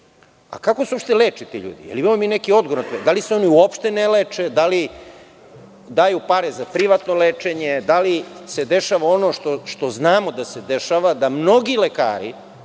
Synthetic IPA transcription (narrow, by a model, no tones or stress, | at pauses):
a̰kakosuopʃt̪eleːt͡ʂet̪ḭʎṵːd̪ḭjḛliimamomine̞kio̞d̪ɡoɾnat̪ed̪aliseo̞niuopʃt̪e̞neleːt͡ʂed̪ali | d̪aːjupaɾezapɾiʋat̪noleːt͡ʂe̞ɲed̪alised̪e̞ʃaʋao̞no̞ʃt̪oʃt̪o̞znaːmod̪ase̞d̪e̞ʃaʋad̪amno̞ɡileka̰ːɾḭ